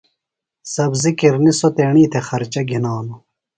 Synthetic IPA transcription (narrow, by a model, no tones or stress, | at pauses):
sɐbzikiɾnisot̪eːɳiːt̪ʰexɐɾt͡ɕɐɡʱinaːno